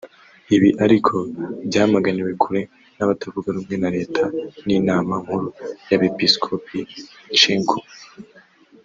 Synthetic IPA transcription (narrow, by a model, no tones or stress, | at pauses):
iβiʔaɾikʰo̞bɟaːhmaɡaniwe̞kʰuɾe̞ | naβatavuɡaɾuːmŋe̞naɾe̞ːtʰaninaːmaŋ̥huɾujaβe̞piskʰopʰit͡ʃiŋɡu